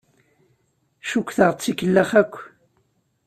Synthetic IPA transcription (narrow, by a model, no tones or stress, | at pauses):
ʃukʷːθəʁt͡sːikəlːəχækʷː